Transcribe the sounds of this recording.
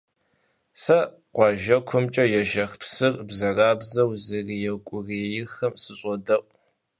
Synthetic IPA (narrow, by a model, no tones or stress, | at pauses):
sɐ | qʷɑʒɐkʷʰʊmt͡ʃʼɐjɛʒɐxpsɨrbzɐraːbzɐwzɨrijɛkʷʼʊrejɪxɐmsɨɕʼɔdɐʔʷʼ